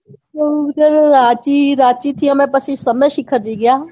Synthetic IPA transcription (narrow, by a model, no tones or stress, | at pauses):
od͡ʒəɾɾaːt͡ʃiːɾaːt͡ʃiːt̪ʰijãːmɛ̃ːpəsĩːsəmẽːʃɪkʰəɾd͡ʒiːɡɪjaː